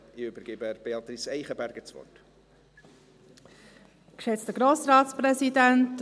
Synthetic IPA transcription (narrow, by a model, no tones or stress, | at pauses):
iybəɾɡ̥ebəb̥eɑt̪risɛɪχəbærɡ̥ət͡svɔ̰rt | kʃɛt͡stəɡɾoːsrɑːtsprɛsidænt